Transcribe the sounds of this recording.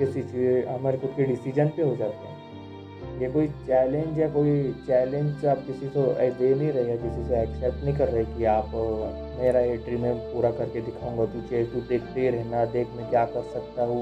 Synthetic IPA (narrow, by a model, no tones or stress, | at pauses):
kɪsit͡ʃieɦɐmaːɾekʊt̪ʰkiɖɪsid͡ʒənpeɦod͡ʒaːt̪eɦɛ̃ː | jekoːit͡ʃɛːlẽɲd͡ʒɛkoːit͡ʃɛːlẽɲd͡ʒseaːp̚kɪsiseɛ̰ːdenɐɦĩɾɐɦeɛkɪsiseɛːksɛp̚ʈnɐɦĩkɐɾːɐɦekiaːp | meːɾaɦeːʈɾimẽpuːɾakɐɾked̪ɪkʰaũŋɡat̪ut͡ʃeud̪eːkʰt̪eiɾɛɦnad̪eːkʰmẽkjaːkɐɾsɐk̚t̪aɦu